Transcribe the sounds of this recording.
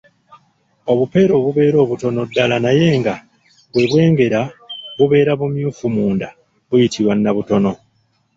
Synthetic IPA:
o̞βupe̞ɾo̞ːβuβe̞ːɾo̞ːβuto̞no̞dːalanaje̞ːŋɡa | βwe̞βwe̞ːŋɡe̞ɾaβuβe̞ːɾaβumjuːfumuːnda | βujitʰiɾwanːaβuto̞no̞

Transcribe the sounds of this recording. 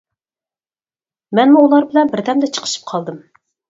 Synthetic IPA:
mɛnmuulˠɑɾbɪlɛnbɪɾd̪ɛmd̪ɛt͡ʃʰə̥qʰə̥ʃɨ̥p̚qʰɑlˠd̪ɨm

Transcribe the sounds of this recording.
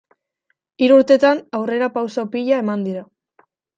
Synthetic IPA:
iɾuɾt̪e̞t̪anawre̞ɾapawsaopiʎae̞mand̪iɾa

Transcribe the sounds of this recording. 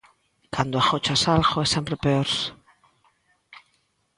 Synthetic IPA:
kʰand̪oaxot͡ʃasalxoesempɾepeoɾs

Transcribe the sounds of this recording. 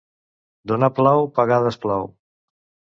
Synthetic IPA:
d̪onaplawpaɣaðəsplaw

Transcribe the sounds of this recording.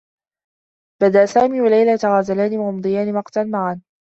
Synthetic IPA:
b̥ad̪aʔsaːmiːwalajlat̪aɣaːzalaːniwahʊmd̪ˤɨjaːnimɑqt̪anmaʕan

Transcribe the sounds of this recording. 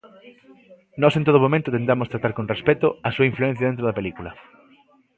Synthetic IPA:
nɔsent̪oðomomẽnt̪ot̪ent̪amost̪ɾat̪aɾkõnrespɛt̪oɐsuɐiɱfluɛ̃n̟θjaɐðent̪ɾoðɐpelikulɐ

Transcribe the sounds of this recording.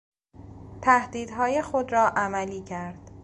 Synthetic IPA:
t̪ʰæhd̪iːd̪ɦɒːje̞xod̪ɾɒːʔæmæliːcʰæɾd̪̥

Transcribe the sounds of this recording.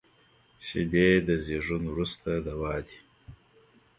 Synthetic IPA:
ʃḭd̪ed̪əzeʐunwɾust̪ad̪awɑːd̪i̥

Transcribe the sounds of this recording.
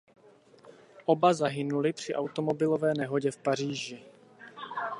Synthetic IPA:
ʔo̞bazaɦɪnulɪpr̝̥ɪʔawt̪o̞mo̞bɪlo̞vɛːnɛɦo̞ɟɛfpar̝iːʒɪ

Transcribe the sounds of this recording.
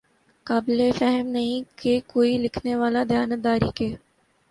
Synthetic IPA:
kaːbɪlefɛɦəmnɐɦĩkekoːilɪkʰneʋaːlad̪ʱjaːnəd̪aːɾḭːkeː

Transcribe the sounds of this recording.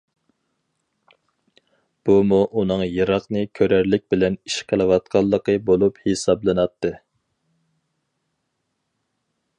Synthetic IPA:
b̥umuʔunɨŋjɨɾɑqnɨkʲʰøɾæɾlɪk̚ʲbɪlɛniʃqʰəlˠɨwɑt̪̚qʰɑlˠːəqəbolˠuphesɑblˠɨnɑt̪ʰːɨ

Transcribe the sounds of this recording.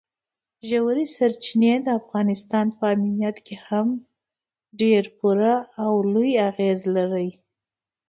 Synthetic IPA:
ʒawaɾisaɾt͡ʃined̪əafɣɑnɪst̪ɑnpəaminijat̪keham | ɖeɾpuɾaːwlujaɣezlaɾəj

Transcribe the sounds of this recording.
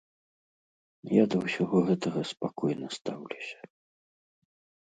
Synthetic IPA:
jad̪ɐwsʲaɣɔɣɛt̪ɐɣɐspakɔjnɐst̪awlʲusʲɐ̥

